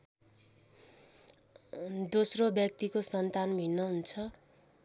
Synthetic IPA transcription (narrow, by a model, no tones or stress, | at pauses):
d̪osrobjʌk̚t̪ikosʌnt̪anbʱinːʌɦunt͡sʰʌ